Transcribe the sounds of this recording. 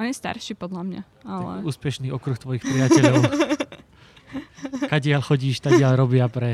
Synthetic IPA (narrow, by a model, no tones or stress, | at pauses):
ɔɲɛst̪a̰ɾʃiːpɔd̪lamɲa̰ | alɛ̰uːspɛʃniːʔɔkɾuxt̪ʋɔjixpɾɪacɛʎɔʊ | kaɟɪaʎxɔɟiːʃt̪aɟɪaʎɾɔbɪapɾɛ